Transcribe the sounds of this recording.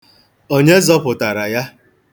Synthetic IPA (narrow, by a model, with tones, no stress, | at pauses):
o˦ɲe˦zɔ˦pʊ˨ta˨ɾa˨ja˦